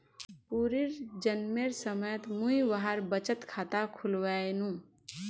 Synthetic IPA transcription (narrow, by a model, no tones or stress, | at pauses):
puːɾiɾd͡ʒənmeɾsəməjət̪mũiʋaɦaɾbət͡ʃət̪kʰaːt̪akʰʊlwaenũː